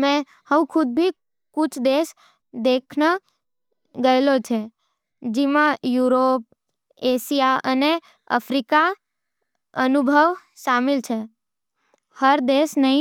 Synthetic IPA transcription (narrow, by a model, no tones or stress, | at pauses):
mẽ | həʋũkʰʊd̪̚bʱi | kʊt͡ʃʰd̪eʃ | d̪ekʰnə | ɡəjlot͡ʃʰe | d͡ʒimãjuɾop̚ | eʃijaəne | ə̰fɾika | ənubʱəʋ | ʃamɪlt͡ʃʰe | həɾd̪eʃnəɦĩ